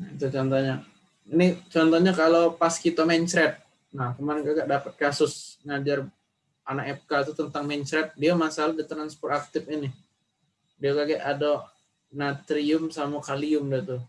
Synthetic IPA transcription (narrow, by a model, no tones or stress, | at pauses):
it̪ut͡ʃɔnt̪ɔɲa | init͡ʃɔnt̪ɔɲakalopaskit̪amɛɲt͡ʃɾɛt̪̚ | nahkəmanɡaɡaʔdapət̪̚kasʊsŋad͡ʒar | anakɛp̚kat̪ut̪ənt̪aŋment͡ʃɾɛt̪̚diamasaladit̪ɾanspɔrak̚t̪ɪfinɪ | diaɡaɡaʔado | nat̪ɾiʊmsamukaliʊmdut̪u